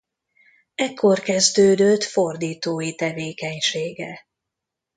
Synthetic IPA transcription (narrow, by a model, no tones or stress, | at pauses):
ɛkʰːo̞rkɛzd̪øːd̪øt̪fo̞rd̪iːt̪oːjit̪ɛveːkɛɲʃeːɡɛ